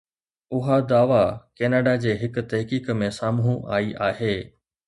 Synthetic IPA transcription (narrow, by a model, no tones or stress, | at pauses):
ʊɦad̪aːʋakeːnaːɖad͡ʑeːɦɪkʊ̆t̪ɐɦkiːkmẽsaːmɦũʔa̰ːiʔaːɦeː